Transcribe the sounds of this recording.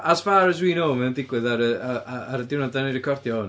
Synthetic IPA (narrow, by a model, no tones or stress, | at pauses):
ʔasvaɾəzwiːnoːmɛndɪɡwɨðaɾəaaaɾədɪwnɔdanɪɾɪkʰɔrdjɔʊn